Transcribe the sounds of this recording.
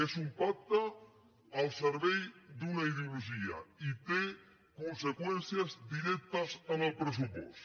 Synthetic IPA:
esumpak̚t̪aː | lˠseɾβɛjd̪unaiðeoluʒia̰it̪e | konsekwɛnθjazd̪iɾɛk̚t̪ɐsənəlˠpɾəs̬upɔ̰st̪

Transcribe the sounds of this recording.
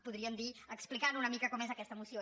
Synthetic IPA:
puðɾiəmd̪iəksplikanunəmikəkɔmezəkɛst̪əmusijo

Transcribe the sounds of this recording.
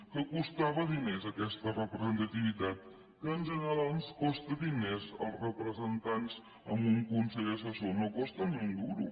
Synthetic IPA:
kəkust̪aβəðinezəkɛst̪ərəpɾəzənt̪ət̪iβ̞it̪at̪̚ | kəːnʒənəɾalˠskɔst̪əðinezə̰lˠsrəpɾəzənt̪anz | ə̰mbuŋkunsɛʎəsəsonokɔst̪əniund̪uɾṵ

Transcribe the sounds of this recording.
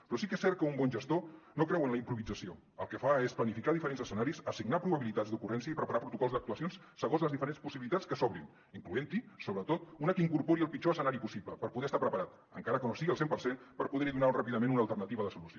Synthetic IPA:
pɾɔsikɛsːɛɾt̪̚kəumbɔnʒəst̪onokɾɛwənləimpɾuβid͡zəsio | əlˠkəfaesplənifikaðifəɾenzəsənaɾisəsiɡnapɾuβəβilit̪adzd̪ukurɛnsiəipɾəpaɾapɾut̪ukɔlzðək̚t̪uəsions | səɣonzləzðifəɾenspusiβilit̪at͡skəsɔβɾin | iŋkluent̪isoβɾət̪ot̪̚unəkəiŋkuɾpoɾiəlˠpit͡ʃoəsənaɾipusipləpəɾpuðɛəst̪apɾəpəɾat̪ | ə̰ŋkaɾəkənosiɣiəlˠsempəɾsenpəɾpuðɛɾiðunarapiðəmẽnunəːlˠt̪əɾrnət̪iβəðəsulusio

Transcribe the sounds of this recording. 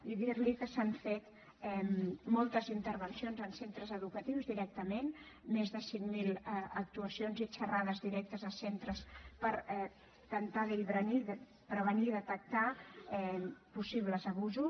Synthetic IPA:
iðiɾlikəsaɱfet̪ | ɛmmɔlˠt̪əzint̪əɾβ̞ənsionzənsent̪ɾəzəðukət̪iwzðiɾɛk̚t̪əmen | mezðəsiŋmilɛək̚t̪uəsionzit͡ʃərað̞əzðiɾɛk̚t̪əzəlˠsent̪ɾəspəɾɛ | t̪ənt̪aðəliβɾəniðə | pɾəβ̞əniðət̪ək̚t̪aɛpusiβləzəβuzu

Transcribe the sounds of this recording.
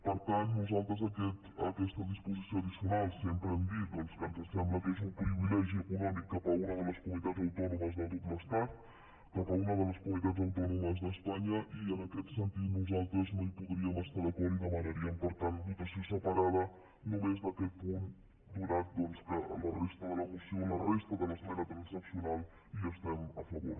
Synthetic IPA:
pəɾt̪annuzalˠt̪ɾəzəkɛt̪ə̰kɛst̪əðispuzisjoəðisiunalˠsempɾəɛmd̪it̪̚d̪ɔnskank̪əst̪ɛmmət̪eʃumpɾiβilɛʒiəkunɔmikːapəunəðələskumunit̪ad͡zəwt̪ɔnuməzðəɡutməst̪at̪ | kapəunəðələskumunit̪add͡zəwt̪ɔnuməzðəspaɲəʔienɐkɛt̪sẽnt̪iðnuzalˠt̪ɾoznõj̃puðɾiɐmɐst̪aɾɐkɔɾiðɐmɐnɐɾiɐmpoɾt̪aɾmũjt̪ɐsisəpɐɾaðɐ | nũmezðɐkelpũn | d̪uɾaɾd̪onskɐ̰nɐreʃt̪ɐðəlɐmusjonɐreʃt̪ɐðɐlɐsmɛnɐt̪ɾɐ̃nsnɐksjunalˠ | iɐst̪ɛmɐfɐβo̰ɾ

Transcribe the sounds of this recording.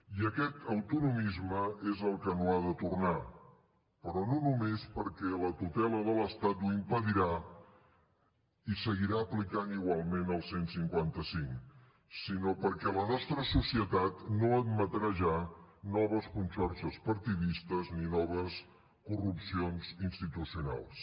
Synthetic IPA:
iəkɛt̪əwt̪unumizməezəlˠkənoaðət̪urna | pəɾɔnonumespəɾkɛlət̪ut̪ɛləðələst̪at̪uimpəðiɾa | isəɣiɾaəplikaniɣwalˠmenəlˠsensiŋkwant̪əsiŋ | sinopəɾkɛlənɔst̪ɾəsusiət̪at̪noəd̪mət̪ɾaʒanɔβəskunsɔɾʃəspəɾt̪iðist̪əzninɔβəs | kurupsionzinst̪it̪usiuna̰lˠs

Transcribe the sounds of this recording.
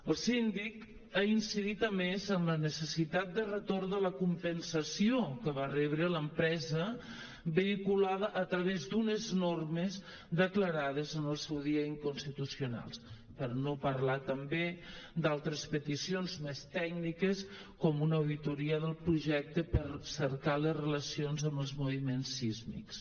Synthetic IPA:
əlˠsind̪ik | ainsiðit̪əmezənlənəsəsit̪at̪̚d̪ərət̪oɾðələkumpənsəsiokəβarɛβɾələmpɾɛzə | bəikulaðəʔːt̪ɾəβezd̪unəznorməz | d̪əkləɾað̞əzənəlˠsɛwðiəiŋkunst̪it̪usiuna̰lˠs | pəɾnopəɾlat̪əmbed̪alˠt̪ɾəspət̪isionzmest̪ɛknikəs | kɔmunəwðit̪uɾiəðəlˠpɾuʒɛk̚t̪əpəɾsəɾkaləzrələsionzəmbəlˠzmuβimensːizmḭks

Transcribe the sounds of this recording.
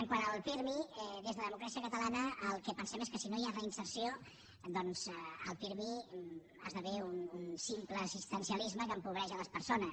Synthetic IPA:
əŋkwanəlˠfiɾmiðezðəðəmukɾasiəkət̪əlanəːlˠkɛpənsɛmeskəsinoiarəinsəɾsio | d̪ɔnz̥əlˠfiɾmi | a̰zðəβɛununsimpləːsist̪ənsiəlizməkəmpuβɾɛʒələspəɾsonə

